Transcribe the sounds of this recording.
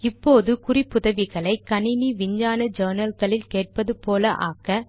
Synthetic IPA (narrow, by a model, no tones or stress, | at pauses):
ɪpːoːðɯkʊrɪpːʊðɐʋɪɣɐɭɐɪkːɐnɪniʋɪɲd͡ʒaːnɐd͡ʒɐːnɐlɣɐɭɪlkeːʈ̚pɐðɯpoːlɐʔa̰ːkɐ